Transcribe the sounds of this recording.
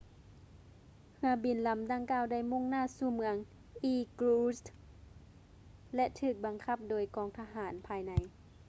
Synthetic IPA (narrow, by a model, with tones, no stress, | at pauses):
hɯ˧˦ɐ˦bi˨˩˦nla˨˦mda˧˩ŋkaː˧˩˨wda˧˩jmo˧˥˨ŋnaː˧˥˨suː˧˩mɯ˧˦əŋ | ʔiː˧˩kluː˧st̪ | lɛ˧ʔt̪ʰɯː˧˩k̚ba˨˧ŋkʰa˧˥p̚doː˨˦jkɔː˧˩ŋt̪ʰa˧ɦaː˨˩˦npʰaː˧jna˧˦j